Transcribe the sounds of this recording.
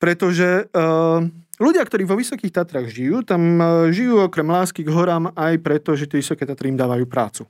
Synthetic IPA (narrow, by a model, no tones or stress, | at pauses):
pɾɛt̪ɔʒɛ | luɟɪakt̪ɔɾiːʋɔʋisɔkiːxt̪at̪ɾaɣʒijuːt̪amʒijuːɔkɾɛmlaːskiɡɦɔɾaːmajpɾɛt̪ɔʒɛt̪ɪɛʋisɔkɛːt̪at̪ɾiimd̪aːʋajuːpɾa̰ːt͡su